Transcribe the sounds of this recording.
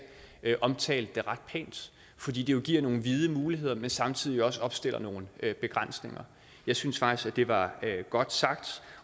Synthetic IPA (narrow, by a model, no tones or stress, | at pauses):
ʔɒ̽mt͡sʰɛ̰ːld̥eʁɑ̈d̥̚pʰɛ̰ːnd̥ | fɒd̥ḭːd̥ejo̝ɡ̥iɐ̰no̝ːn̩ʋið̞ˠəmuːliɦe̝ð̰ˠɐmensɑ̈mt͡sʰið̰ˠiɒ̽səɒ̽b̥sd̥e̝l̰ɐno̝ːn̩øb̥e̝ɡ̥ʁan̰sne̝ŋɐ | jɑ̈ɪsynsfɡ̥̚isɡ̥æd̥e̝ʋɑ̈ɡ̥ɒ̽d̥sɑ̈ɡ̥d̥